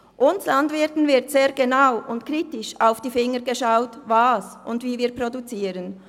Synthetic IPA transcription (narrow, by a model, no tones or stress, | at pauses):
ʔʊnslɑndvɪtn̩vɪɐtseːɐɡenaʊʔʊntkʁiːtɪʃaʊfd̥iːfɪŋəɡəʃaʊtvɑːsʔʊndviːviːɐpʁodut͡siːɾən